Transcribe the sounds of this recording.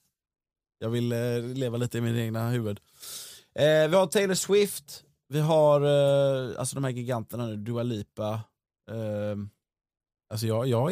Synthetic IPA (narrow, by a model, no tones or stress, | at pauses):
jɑːɡvɪlːeːvaliːt̪əɪmɪneːɡnahʉ̟ːvəd̪ | ʔvɪhaʈʰeɪləʂwɪft̪ | vɪɦaɾ | a̰lsɔd̪ɔmhæːɾɡɪɡant̪əɳanʉ̟ːd̪ɵaliːpa | als̬ɔjɑːjɑː